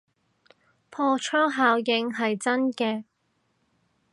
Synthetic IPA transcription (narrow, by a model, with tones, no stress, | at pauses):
pʰɔː˧t͡ʃʰœː˥ŋɦaː˨˧˥wjɪ˨˧ŋɦɐ˨jt͡sɐ˥nkɛː˧